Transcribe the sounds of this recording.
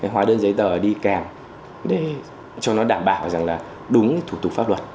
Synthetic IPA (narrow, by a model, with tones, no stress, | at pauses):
ɦwaː˨˧˦ɗəː˧nzə˨˦jt̪əː˨˩ɗi˧kaː˨˩ŋ | ɗe˧˩ | t͡ɕɔ˧nɔ˨˦ɗaː˧˩mɓaː˧˩wza˨˩ŋlaː˨˩ | ɗʊ˨˦ŋ͡mt̪ʰu˧˩t̪ʊ˨˩k̚faː˦˥lwə˨˩t̚